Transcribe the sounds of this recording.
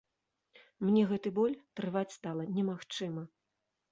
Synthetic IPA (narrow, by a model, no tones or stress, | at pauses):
mnʲɛɣɛt̪ɨbɔlʲt̪ɾɨvat͡sʲst̪alˠɐnʲɛmaxt͡ʂɨmɐ